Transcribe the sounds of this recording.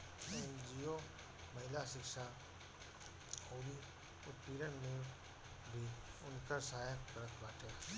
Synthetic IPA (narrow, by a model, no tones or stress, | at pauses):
end͡ʒiːoː | mɐɦɪlasɪkʃa | oːɾi | ʊt̪piːɾənneː | bʱiʊnkəɾsaːjəkkəɾək̪baːʈʰea